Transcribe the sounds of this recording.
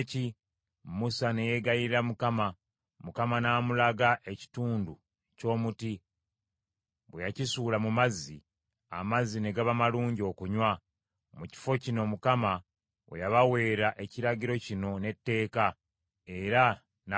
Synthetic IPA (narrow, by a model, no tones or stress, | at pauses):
ci | musane̞je̞ɡajiɾiɾamukama | mukamanaːmulaɡaʔe̞ci̥tuːndu | co̞ːmuti | βwejacisuːlamumazːi | a̰mazine̞ɡaβamaluːɲɟo̞kuɲwa | muci̥fo̞cino̞mukama | o̰jaβawe̞ːɾaʔe̞ciɾaɟiɾo̞cino̞ne̞tːe̞ːka | e̞ɾa | n